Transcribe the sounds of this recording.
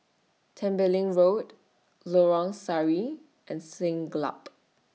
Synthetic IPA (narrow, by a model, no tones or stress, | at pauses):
tʰɛ̃mbəlĩŋɹot | lɔɹɔ̃ŋsaɹi | ʔɛ̃nsɪ̃ŋɡla̰p